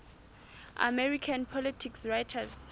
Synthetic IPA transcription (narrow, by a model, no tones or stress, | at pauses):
a̰mɛɹikʰanpʰɔlitʰiksɹajtʰaz